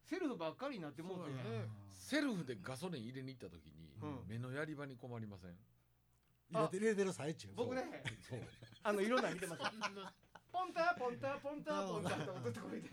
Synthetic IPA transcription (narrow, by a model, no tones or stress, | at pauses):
se̞ɾɯ̟ɸɯ̟bakːaɾʲiɲinat̪ːemoːsenese̞ɾɯ̟ɸɯ̟d̪e̞ɡas̬o̞ɾẽɰ̃iɾe̞ɲʲiːt̪ːat̪okʲḭɲ̟ḭ̃me̞no̞jaɾʲibaɲ̟iko̞maɾʲimasḛ̃ŋ | iɾet̪eɾɯsaet͡ɕɨbokɯ̟nesoːanoiɾõ̞nːamʲit̪e̞masɨ | põnt̪aːpõnt̪aːpõnt̪apõnt̪aekot̪ɨt̪ːekoɾet̪e